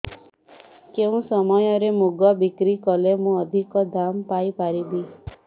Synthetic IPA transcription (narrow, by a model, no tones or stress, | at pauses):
keũsɔmɔjɔɾemuɡɔbikɾikɔlemũɔd̪ʱikɔd̪ampajpaɾibi